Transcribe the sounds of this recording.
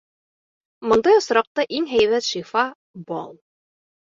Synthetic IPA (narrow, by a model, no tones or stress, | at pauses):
mŏnd̪ɑjŏsɾɑq̚t̪ɑʔiŋɦæjβæt̪ʃifɑ | bɑ̰lˠ